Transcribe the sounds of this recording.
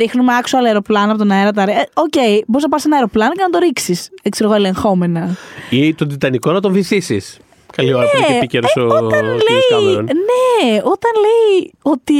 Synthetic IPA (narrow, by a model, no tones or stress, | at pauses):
ɾixnumeɐksoɐlɐeɾo̞plɐnɐpot̪nɐeɾɐt̪ɐɾeo̞ce̞iboɾiznɐpɐɾisenɐeɾo̞plɐnocenɐd̪o̞ɾiksisekseɾoɣoele̞ŋxo̞me̞nɐit̪od̪it̪ɐniko̞nɐt̪o̞ɱviθisḭs | kɐlioɾɐpiceɾosoot̪ɐnliɐmeonneo̞t̪ɐnleiot̪i